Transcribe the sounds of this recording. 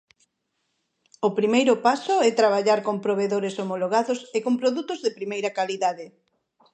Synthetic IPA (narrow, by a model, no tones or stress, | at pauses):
ʊpɾimejɾʊpasʊɛt̪ɾaβ̞aʎaɾkompɾoβ̞eðoɾesomoloɣaðʊsekompɾoðut̪ʊzðɪpɾimejɾɐkaliðaðɪ